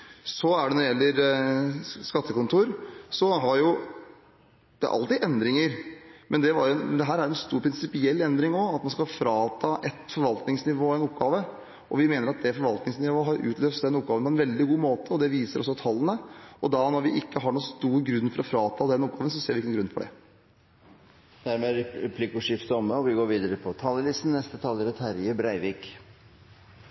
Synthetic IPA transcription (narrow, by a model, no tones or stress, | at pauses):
sɔæɖɛnɔɾɪjɛlːəɾ | skɑt̪ːəkʊnt̪ʰuːɾsɔɦɑɾjʊ | d̪̥ɛæ̰ɾʔɑ̰lt̪ɪʔɛnd̪ɾɪŋəɾmʔɛnd̪ɛʋɑɾjɛnd̪ɛɦæːɾæɾjʊɛnst̪uːɾpʰɾɪnsɪpɪɛlːɛnd̪ɾɪŋɔɑt̪mɑnskɑlfɾɑːt̪ʰɑːʔɛt̪fɔɾʋɑlt̪nɪŋsnɪʋoːæɛɪnɔp̚ɡɑːʋə | ʔɔʋɪmeːnəɾɑt̪̚d̪ɛfɔɾʋɑlt̪nɪŋsnɪʋoːəɦɑɾʉ̰ːt̪løːsəd̪ɛnːɔp̚ɡɑːʋənpʰɔɛnʋɛld̪ɪɡuːmoːt̪ʰəɔd̪ɛʋiːsəɾɔ̰sːɔt̪ʰɑlːənəɔd̪ɑnɔɾʋɪʔɪkːəɦɑɳuːst̪uːɾɡɾʉnːfɔɾɔfɾɑːt̪ʰɑːd̪ɛnɔp̚ɡɑːʋənsɔseːɾʋɪɪkːənnɡɾʉnfɔɖɛ̰ | d̪̥æɾmɛɾɛɛpʰlɪkʊʂɪft̪əɔməɔʋɪɡoːɾʋiːd̪əɾəpʰɔt̪ʰɑlːəlɪst̪n̩nɛst̪ət̪ʰɑːləɾət̪ʰhæɾjəbɾæɪʋiːk